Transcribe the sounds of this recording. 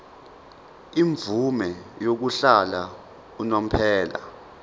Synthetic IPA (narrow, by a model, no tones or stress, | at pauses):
iɱvumɛjok̬uɬala | unam̩pʰɛːla̰